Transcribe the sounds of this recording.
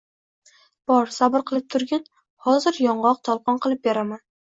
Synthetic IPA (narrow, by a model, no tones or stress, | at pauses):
b̥ɒɾsabɪɾqʰɨlˠɪp̚t̪ʰʊɾɡʲan | hɒzɪɾjɒɴʁɒq̚t̪ʰɒlˠqʰɒnqʰɨlˠɪp̚beɾaman